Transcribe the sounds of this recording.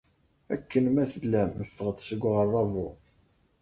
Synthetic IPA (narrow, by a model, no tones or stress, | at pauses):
æ̰kːənmæθəlːæmːəfːəʁəd̪səɡʷːʁərˤːɑvʊ